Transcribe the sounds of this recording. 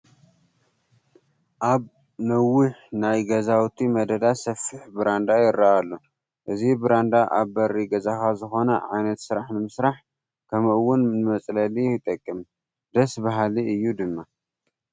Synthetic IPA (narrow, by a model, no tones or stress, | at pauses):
ʔaβ | nɐwːʊħnajɡɐzawt̪ʰimɐd̪ɐd̪asɐfːɨħbɨɾand̪ajɪɾːaʔalːo | ʔɨzibɨɾand̪aʔa̰βbɐɾiɡɐzakʰazɨxo̞nɐʕajnɐt̪sɨɾaħnɨmɨsɾaħ | kʰɐmʔɨwːʊnnɨmɐt͡sʼlɐlijɪt̪ʼɐkʼːɨm | d̪ɐsbaɦaliɨjːud̪ɨmːa